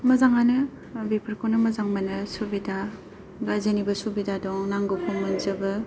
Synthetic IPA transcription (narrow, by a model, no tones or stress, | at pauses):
mɐzaŋanɯ | bepʰɯɾkʰonɯmɐzaŋmɐnɯsubida | ɡazenibɐsubidadɔŋnaŋɡɯpʰɔŋmɯnzɯbɯ